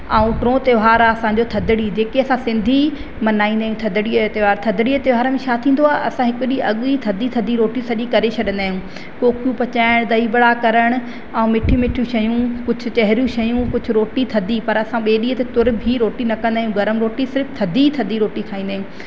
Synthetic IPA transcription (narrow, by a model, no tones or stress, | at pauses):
aũʈɾõːt̪eʋɦaːɾaɐsãɲ̆d͡ʑot̪ʰɐd̪ɪɽid͡ʑeːkeɐsãsɪ̃nd̪ʱi | mɐnaːĩːnd̪aːɦjũt̪ʰɐd̪ɽit̪eʋaːɾt̪ʰɐd̪ɽiət̪eʋɦaːɾəmẽʃaːt̪ʰĩːn̆d̪oaːɦɐsãɦɪkʊɗiɐɠit̪ʰɐd̪it̪ʰɐd̪ʱiɾoːʈisɐʄikɐɾet͡ɕʰɐɗə̃nd̪aːɦijũː | koːkʰjũpɐt͡ɕaːɪɽ̃d̪ɐibɐɽakɐɾəɽ̃̆ | ãũmɪʈʰimɪʈʰjũʃɐjũkʊd͡ʑʱʊ̆t͡ɕɐɦɪɾijũʃɐjũkʊd͡ʑʱʊ̆ɾoːʈit̪ʰɐd̪ʱipɐɾɐsãɓeːɗiːət̪et̪ʊɾbʱiɾoːʈinɐkɐ̃nd̪aːɦjũɡɐɾəmɾoːʈisɪɾft̪ʰɐd̪ʱit̪ʰɐd̪ʱiɾoːʈikʰaːĩn̆d̪aːɦjũ